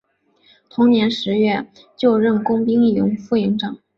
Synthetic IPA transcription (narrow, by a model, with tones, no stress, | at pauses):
t̪ʰʊ˧˥ŋnjɛ˧˥nʂɻ̩˧˥ɥɛ˥˩ | t͡ɕjo˥˧ʊɻə˥˩nkʊ˥ŋpi˥ŋi˥˩lʊ˧˥ŋfu˥˩i˧˥ŋʈ͡ʂɤ˨˩˦ŋ